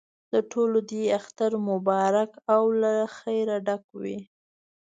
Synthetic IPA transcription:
d̪əʈʰolod̪eaxt̪aɾmʊbɑɾakawlaxajɾaɖakwḭ

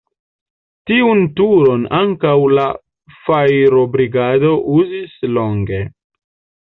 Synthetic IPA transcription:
tiuntuɾo̞naŋkawla | fajɾobɾiɡado̞ʔuzislo̞ŋɡe̞

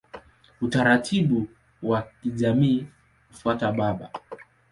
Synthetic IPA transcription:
utaɾatʰiɓu | wakiʄamiː | kufuataɓaɓa̰

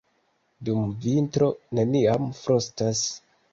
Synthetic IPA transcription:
dumvintɾo̞ne̞niamfɾostas

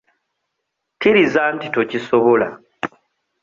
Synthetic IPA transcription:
kiɾizaːntitocisoβo̞la̰

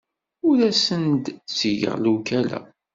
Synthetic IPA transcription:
ʊɾæsənd̪t͡sːəʝə̰ʁlukælæ̰

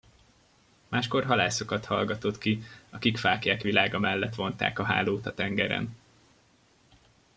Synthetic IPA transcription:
maːʃko̞rɦɒlaːso̞kɒt̪hɒlɡɒt̪o̞t̪kiɒkikfaːkjaːkʋilaːɡɒmɛlːɛt̪ʋo̞n̪t̪a̰ːkɒɦa̰ːloːt̪ɒt̪ɛŋɡɛɾɛ̰n

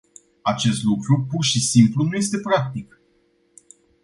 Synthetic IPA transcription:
at͡ʃe̞st̪lukɾupurʃisimplunuje̞s̬t̪e̞pɾak̚t̪ik

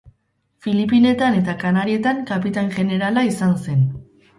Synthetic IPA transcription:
filipine̞t̪ane̞t̪akanaɾie̞t̪aŋkapit̪aŋʝe̞ne̞ɾalaisanse̞n

